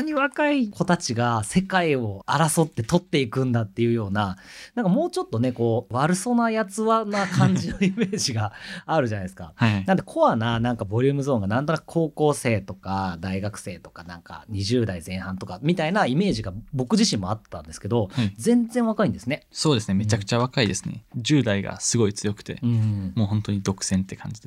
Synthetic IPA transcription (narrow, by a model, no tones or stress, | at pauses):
ɲ̟iβakaikʰo̞t̪at͡ɕiɡase̞kaio̞aɾaso̞t̪ːe̞t̪o̞t̪ːe̞ikɯ̟̃nd̪at̪ːe̞jɯ̟ːjo̞ːnanãŋkamo̞ːt͡ɕo̞t̪ːo̞neko̞ːβaɾɯ̟so̞najat͡sɨβanakʰãɲ̟d͡ʑino̞ime̞ːʑiɡaaɾɯ̟ʑanaisɨ̥ka̰nãnt̪e̞kʰo̞βananãŋkabo̞ɾʲɯ̟ːmɯ̟zo̞ːŋɡanãnt̪o̞nakɯ̟̥kʰo̞ːko̞ːse̞ːt̪o̞kad̪aiɡakɯ̟̥se̞ːt̪o̞kanãŋka̰ɲ̟iʑɨːd̪aizẽ̞ɰ̃hãnt̪o̞kamʲit̪ainaime̞ːʑiɡabo̞kɯ̟ʑiɕĩmːo̞at̪ːãnd̪esɨ̥ke̞d̪o̞azẽ̞nd͡zẽ̞ɰ̃βakaĩnd̪e̞sɨne̞so̞ːd̪e̞sɨneme̞t͡ɕakɯ̟̥t͡ɕaβakaid̪esɨne̞̰ʑɨːd̪aiɡa̰sɨɡo̞it͡sɨjo̞kɯ̥t̪e̞̰ɯ̟̃ːmo̞ːhõ̞nt̪o̞ɲ̟id̪o̞kɯ̟̥sẽ̞nt̪ːe̞kʰã̰ɲ̟d͡ʑid̪e